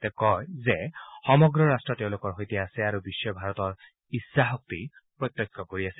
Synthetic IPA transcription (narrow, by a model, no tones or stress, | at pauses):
t̪ɛkɔjzɛxɔmɔɡɹɔɹastɹɔtɛʊ̃lokɔɹɦojtiaasɛaɹubiʃːɔbʱaɹɔt̪ɔɹ | isːaɦɔk̚t̪i | pɹɔt̪ːɔkʰːɔkoɹiasɛ̥